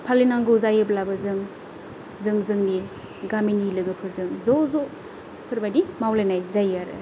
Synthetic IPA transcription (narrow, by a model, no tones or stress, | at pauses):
pʰalenaŋɡɔzajɯblabɐzɯŋ | zɯŋzɯŋni | ɡaminilɯɡɯpʰɯɾzɯŋzɔzɔ | pʰɯɾbajdimawlanajzajaɾɯ̰